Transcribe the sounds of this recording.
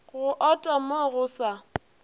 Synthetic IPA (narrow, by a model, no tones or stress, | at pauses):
ɣʊʔɔtʼamoɣʊsa